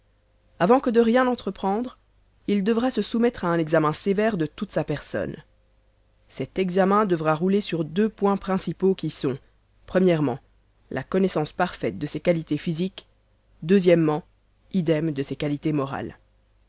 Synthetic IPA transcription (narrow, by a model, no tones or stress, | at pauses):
avɑ̃kəd̪əʁjɛ̃nɑ̃t̪χəpχɑ̃d̪ʁ | ild̪əvʁasəsumɛt̪χaɛ̃nɛɡzamɛ̃sevɛʁd̪ət̪ut̪sapɛʁsɔ̰n | sɛt̪ɛɡzamɛ̃d̪əvʁaʁulesyʁd̪øpwɛ̃pχɛ̃sipokʲisɔ̃ | pχəmjɛʁmɑ̃ | lʔa̰kɔnɛsɑ̃spaʁfɛt̪̚d̪əsekalit̪efizik | d̪øzjɛmːɑ̃ | id̪ɛmd̪əsekalit̪emɔʁa̰l